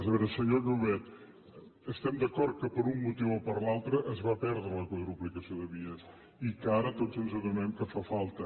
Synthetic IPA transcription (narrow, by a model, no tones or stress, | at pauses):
zəβɛɾəsəɲoʒuβɛt̪ | əst̪ɛmd̪əkɔɾt̪̚kəpəɾumːut̪iwɔpəɾlalˠt̪ɾəʔəzβapɛɾðɾələkwəðɾuplikəsioðəβiəs | ikaɾət̪ozənzəðumɛmkəfafalˠt̪ə